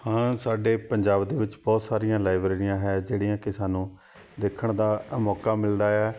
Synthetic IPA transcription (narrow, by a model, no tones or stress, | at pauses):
hãːsaːɖeːpəɲd͡ʒaːbd̪eːʋɪt͡ʃbɔːt̪saːɾijãːlaːɪbɾeːɾɪjãːɦɛːd͡ʒeːɽijãːkɪsaːnũː | d̪eːkʰəɳd̪aːmɔːkaːmɪld̪aːɛː